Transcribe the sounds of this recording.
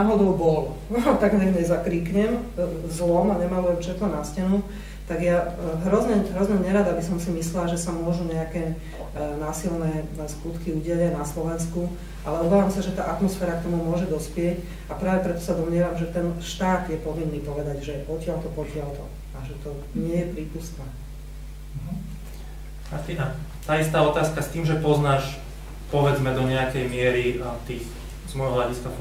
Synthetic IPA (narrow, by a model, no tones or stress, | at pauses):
aɦɔd̪ɔʊbɔlɔ | t̪aɡɲɛɲɛzakɾiːkɲɛmzlɔmaɲɛmaːmɛmt͡ʃɛd̪nɔnascɛnu | t̪aɡjaɦɾɔzɲɛɦɾɔzɲɛɲɛɾad̪abisɔmsimislɛlaʒɛsamʊɔʒuɲɛakɛː | naːsilnɛːskut̪kiuːɟɪɛʎanaslɔʋɛnsku | ʔalɛɔbaːʋamsaʒɛt̪aːʔat̪mɔsfɛːɾak̚t̪ɔmumʊɔʒɛd̪ɔspɪɛc | apɾaːʋɛpɾɛt̪ɔ̥sad̪ɔmɲɪɛʋamʒɛt̪ɛnʃt̪aːd̪jɛpɔʋinːiːpɔʋɛd̪aɟʒɛʔɔcɪalt̪ɔpɔcɪalt̪ɔ | aʒɛt̪ɔ | ɲɪɛjɛpɾiːpust̪naː | ɦ̩ | maɾt̪inat̪aːist̪aːɔt̪aːskast̪iːmʒɛpɔznaːʃ | pɔʋɛd͡zmɛd̪ɔɲɛakɛjmɪɛɾiat̪iːx | zmɔjɦɔɦlʎaɟiska